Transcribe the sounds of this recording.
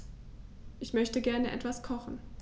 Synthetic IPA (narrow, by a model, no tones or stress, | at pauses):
ʔɪçmœçtəɡɛɐnəʔɛ̰tv̥askʰɔχn̩